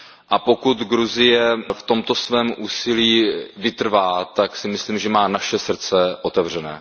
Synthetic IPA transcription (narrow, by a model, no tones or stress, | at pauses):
ʔapo̞kut̪ɡɾuzɪjɛft̪o̞mt̪o̞svɛːmʔuːsɪliːvɪt̪r̩vaːt̪aksɪmɪsliːmʒɛmaːnaʃɛsr̩t͡sɛʔo̞t̪ɛvr̝ɛnɛ̰ː